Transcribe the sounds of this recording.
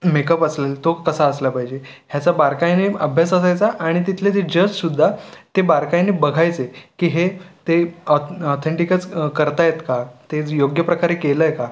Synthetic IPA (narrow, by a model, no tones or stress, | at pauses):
mekəpəslelt̪okəsaəsləpaɦid͡ʑe | ɦjat͡sabaɾkajniəbʱjasəs̬ajt͡saʔaɽ̃it̪it̪ʰlet̪ed͡ʑəd͡ʑsud̪ʱːat̪ebaɾkajnibəɡʱajt͡sekiːɦet̪eɔɔt̪ʰeɳʈikət͡skəɾt̪ajet̪kat̪ejoɡjəpɾəkaɾekeləjka